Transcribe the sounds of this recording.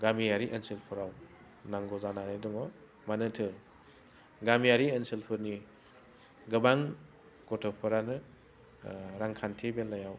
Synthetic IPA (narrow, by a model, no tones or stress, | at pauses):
ɡamijaɾiʔensilpʰɯɾaw | naŋɡɔzananedumɔ | manɯtʰɯ | ɡamijaɾiensilpʰɯɾni | ɡɯbaŋ | kɔtʰɔpʰɯɾanɯ | ɾaŋkʰantʰebelːajaw